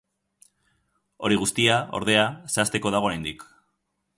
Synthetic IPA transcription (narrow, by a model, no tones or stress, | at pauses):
oɾiɣ̞ust̪iao̞̰ɾðe̞aseast̪e̞ko̞ðaɣo̞ɾajnd̪ik